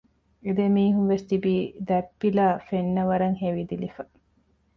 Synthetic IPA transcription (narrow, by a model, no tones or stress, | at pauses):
ed̪emiːɦunʋest̪ibiːd̪ɛpːilaːfenːɐʋɐɾɐŋɦeʋid̪ilifɐ